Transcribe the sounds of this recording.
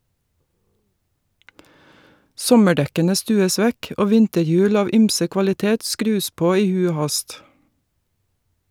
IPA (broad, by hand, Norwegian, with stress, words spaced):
ˈsɔməˌɖɛkənə ˈstʉːəs ˈʋɛk ˈoː ˈʋɪntəˌjʉːl ˈɑːʋ ˈyːmsə kʋɑlɪˈteːt ˈskɾʉːs ˈpoː ˈiː ˈhʉ ˈoː ˈhɑst